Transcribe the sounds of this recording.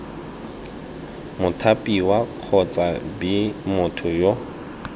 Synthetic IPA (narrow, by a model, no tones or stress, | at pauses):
mʊtʰapʼiwaq͡χʰɔt͡sʼabimʊtʰʊjo